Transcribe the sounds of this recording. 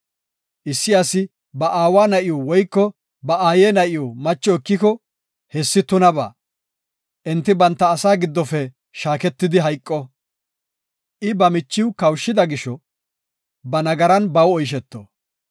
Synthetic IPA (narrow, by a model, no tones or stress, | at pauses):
ʔɪsːɪɐsɪ | bɐʔaːwaːnɐʔɪjɔwɔjkːɔ | bɐʔaːjeːnɐʔɪjɔmɐt͡ʃːɔɪkːɪkɔ | hɛsːɪt̪ʊnɐba̰ː | ʔɛnt̪ːɪbɐnt̪ːɐːsaːɡɪd̪ːɔfɛ | ʃaːkɛt̪ːɪd̪ɪɦɐjkʼːɔ | ʔɪbɐmɪt͡ʃːɪwkɐwʃːɪd̪ɐɡɪʃɔ | bɐnɐɡɐɾɐnbɐwɔjʃ̬ɛt̪ːɔ̰